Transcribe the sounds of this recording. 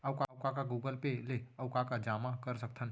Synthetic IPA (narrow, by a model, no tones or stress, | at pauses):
ɐʊkakakaɡuːɡəlpeleɐʊkakad͡ʒaːmakəɾsək̚t̪ʰən